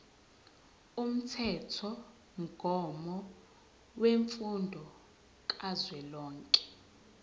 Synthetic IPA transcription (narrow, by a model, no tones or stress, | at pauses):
um̩tʰɛtʰɔ | ŋɡʱɔmɔ | weɱfundʱɔ | kʼazwɛlɔːŋkʼɛ̥